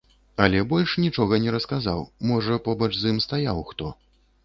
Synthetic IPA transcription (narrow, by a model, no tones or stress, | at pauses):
ɐlʲɛbɔlʲʂnʲit͡ʂɔɣɐnʲɛɾɐskazawmɔʐɐpɔbɐt͡ʂzɨmst̪ajawxt̪ɔ